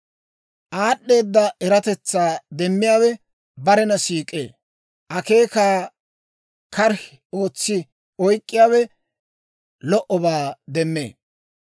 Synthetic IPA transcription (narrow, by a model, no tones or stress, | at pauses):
ʔaːɗːe̞ːd̪ːɐɛɾɐt̪ɛt͡sːaːd̪ɛmːɪjaːwɛ | bɐɾɛnɐsiːkʼḛː | ʔɐke̞ːkaː | kɐɾ | o̞ːt͡sːɪ | ɔjkʼːɪjaːwɛ | lɔʔɔbaːd̪ɛmːḛː